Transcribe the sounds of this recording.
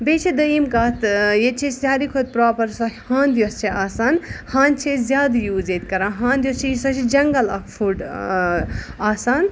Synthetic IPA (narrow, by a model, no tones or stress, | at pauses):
bet͡ʃʰid̪ɐimkaːt̪jet͡ʃʰesʲjaːɾikʰot̪̚pɾɔːpɐɾsɐhãːnd̪jost͡ʃʰiaːsaːnhãːnt͡ʃʰezjaːd̪juːzet̪kɐɾãːɦãːnd̪jost͡ʃʰiisɐt͡ʃʰid͡ʒɐŋɡɐlɐ̰kfʰuɖ | aːsaːn